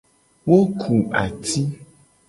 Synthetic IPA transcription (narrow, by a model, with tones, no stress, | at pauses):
wo˦kʰu˨a̰˨t̪ʰi˦